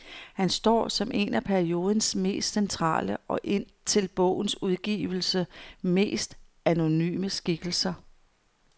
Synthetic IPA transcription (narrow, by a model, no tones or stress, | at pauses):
hænsd̥ɒ̰ːsɒ̽mʔe̝næpʰæɐio̝ːð̞ˠn̩sme̝̰ːsd̥sent͡sʰʁɑ̰̈ːləʔɒ̽ʔe̝n̰ | t͡sʰe̝lb̥ɔ̽ʊ̰n̩suð̞ˠɡ̥ḭːʊl̩səme̝̰ːsd̥ | æno̝ny̰ːməsɡ̥iɡ̥l̩sɐ